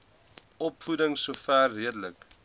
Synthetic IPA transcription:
ʔɔpfudəŋsufæːrːiədələk

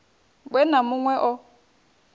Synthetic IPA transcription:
bɛnamʊŋwɛʔɔ

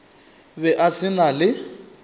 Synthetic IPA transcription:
bɛʔasɪnalɪ

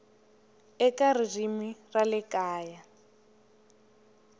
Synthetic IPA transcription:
ɛkarizimiralɛkaːja

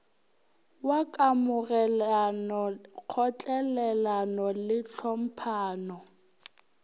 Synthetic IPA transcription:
wakʼamʊrɛ | ɔq͡χʰɔt͡ɬʼɛlɛlanɔlɪt͡ɬʰɔm̩pʰaːnɔ

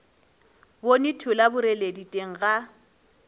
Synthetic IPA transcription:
bonitʰʊlabʊɾeleditʼeŋ̩ɣa

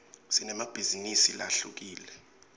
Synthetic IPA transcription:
sinɛmab̥ʱizinisila̰ɬṵk̬iːlɛ

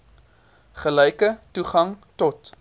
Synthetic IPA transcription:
χəlɛjkətuχɐŋtɔt

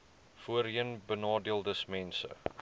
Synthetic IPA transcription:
fuərɦiənbənɑːdiəlˠdəsmɛnsə̰

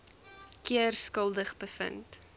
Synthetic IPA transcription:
kiərskəlˠdəχbəfə̰nt

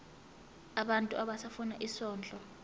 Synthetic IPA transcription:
aɓantʼuʔaɓasafunaʔisɔːnd͡ɮʱʼɔ

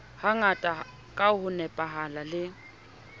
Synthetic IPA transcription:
haŋatʼa | kʼaʊhʊnɛpʼaɦalalɪ

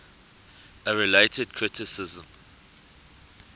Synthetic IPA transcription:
əɹiletʰəd̚kʰɹɪtʰɪsɪzə̃m

